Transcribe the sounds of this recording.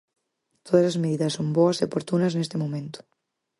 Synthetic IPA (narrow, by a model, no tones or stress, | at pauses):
t̪ʰoðɐsazmeðiðɐsːomboɐsiepoɾt̪unɐznest̪emõmẽnt̪o̥